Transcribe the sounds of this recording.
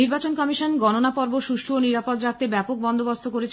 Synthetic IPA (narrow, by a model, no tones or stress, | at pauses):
iɾbat͡ɕonkɔmiʃonɡɔnonapɔɾboʃuʃʈʰuoniɾapot̪ɾak̚t̪ebɛpok̚bɔnd̪ʱobost̪ʰokoɾet͡ɕʰ